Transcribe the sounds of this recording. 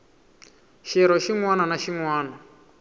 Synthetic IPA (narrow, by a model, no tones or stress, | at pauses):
ʃɛɾɔʃiŋwananaʃiŋwaːna